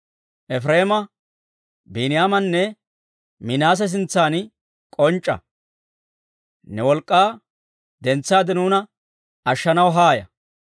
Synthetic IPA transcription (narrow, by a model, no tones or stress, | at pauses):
ʔɛfɾeːmɐ | binɪjaːmɐnːɛ | mɪnaːs̬ɛs̬ɪnt͡sːaːn | kʼɔnt͡ʃʼːɐ̰ | nɛwɔlkʼːaː | d̪ɛnt͡sːaːd̪ɛnuːnɐ | ɐʃːɐnɐwɦaːjɐ